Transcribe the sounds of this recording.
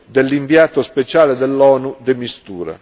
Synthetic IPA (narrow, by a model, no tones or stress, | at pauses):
d̪elːiɱviaːt̪ospet͡ʃaːled̪ɛlːɔːnud̪emist̪uːɾa̰